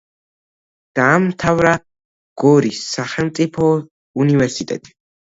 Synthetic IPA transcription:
d̪̥aːmt̪ʰavɾa | ɡ̥ɔɾisːaχɛlˠmt̪sʼipʰɔ | univɛɾsit̪ʼɛ̰t̪ʼi̥

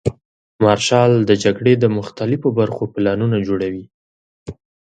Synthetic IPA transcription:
mɑɾʃɑld̪əd͡ʒaɡɽed̪əmʊxt̪alɪfobaɾxopɪlɑnunad͡ʒoɽawi

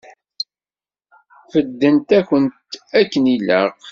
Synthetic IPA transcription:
fəd̪ːənt̪æçənt̪ækːənilə̰q

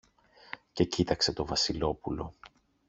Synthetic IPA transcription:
ce̞cit̪ɐkse̞t̪o̞vɐsilo̞pulo̞̰

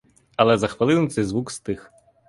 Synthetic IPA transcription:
ɐlˠɛzɐxʋɐlˠɪnʊt̪sɛjzʋukst̪ɪx

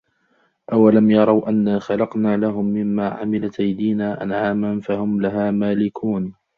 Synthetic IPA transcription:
ʔawalamjɑɾˤɑwʔanːaːxɑlɑqnaːlaɦʊmːɪmːaːʕa̰mɪlat̪ʔajd̪iːnaːʔa̰nʕaːmanfahʊmlaɦaːmaːlɪkʰuːn

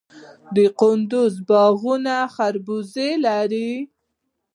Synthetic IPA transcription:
d̪əqʊnd̪ʊzbɑɣunaxaɾbuzelaɾi

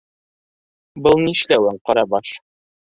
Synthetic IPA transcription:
bɤlˠniʃlæwæɴqɑɾɑbɑʃ

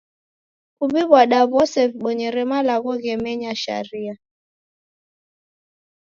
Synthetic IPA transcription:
kuβiβwaɗaβɔsɛfɓɔɲɛɾɛmalaɣɔɣɛmɛɲaʃa̰ɾia

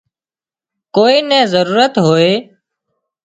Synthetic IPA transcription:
koːiːnɛ̃ːzəɾuːɾət̪ɦoːeː

